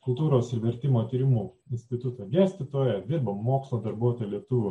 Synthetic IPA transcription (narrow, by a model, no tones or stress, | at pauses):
kʊlˠt̪uːɾoːsɪɾʋʲɛɾʲt̪ʲɪmoːt̪ʲiːɾʲɪmuː | ɪnʲsʲt̪ʲɪt̪ʊt̪oːɡʲæːsʲt̪ʲɪt̪oːjɛd̪ʲɪɾbɐmmoːkslˠoːd̪ɐɾbuɔt̪oːjlʲiɛt̪ʊʋʲʊ